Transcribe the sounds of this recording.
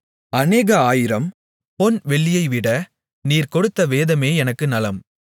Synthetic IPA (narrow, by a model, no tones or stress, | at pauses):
ɐneːɣɐaːjɪɾɐm | pɔnʋɛɭːɪjɐɪʋɪɽɐ | niːɾkɔɽɯt̪ːɐʋeːðɐmeːɛnɐkːɯnɐlɐm